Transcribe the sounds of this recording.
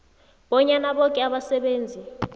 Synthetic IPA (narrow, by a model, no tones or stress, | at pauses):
ɓɔɲanaɓɔkʼɛaɓasɛɓeːnd͡zʱi